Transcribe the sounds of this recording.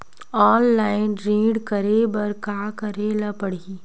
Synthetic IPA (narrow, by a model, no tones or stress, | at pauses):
ɔːlːaːɪnɾĩːɖkɐɾebɐɾkaːkɐɾelɐpɐɽiiː